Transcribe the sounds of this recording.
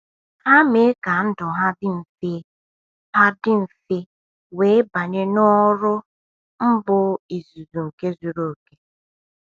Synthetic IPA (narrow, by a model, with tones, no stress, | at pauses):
ha˦me˨˦ka˨n̩˦dɔ˨ɦa˦dɪ˦m̩˨fe˦ | ha˦dɪ˦m̩˨fe˦ | weː˨˦ba˨ɲe˦nɔ˦ɾʊ˦ | m̩˦bʊ˨i˨zu˨zu˨ŋ̩˨ke˦zu˨ɾo˨ke̥˦